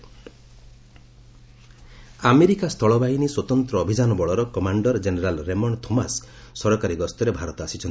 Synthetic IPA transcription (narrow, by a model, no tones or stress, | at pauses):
ameɾikast̪ʰɔɭɔbainiswɔt̪ɔnt̪ɾɔːbʱid͡ʒanɔbɔɭɔɾɔkɔmaɳɖɔɾd͡ʒeneɾalɾemɔɳt̪ʰomasːɔɾɔkaɾiɡɔst̪ɔɾebʱaɾɔt̪ɔasit͡ʃʰɔnt̪i